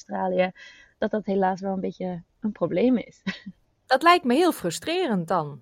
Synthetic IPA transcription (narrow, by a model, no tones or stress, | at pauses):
straːlijə | d̥ɑt̚dɑtɦelaːsʋɛlˠənbejtə | ənproblejmɪ̰s | d̥ɑtlɛjk̚tməɦɪːlˠfrɵstrɪːrənt̚dɑn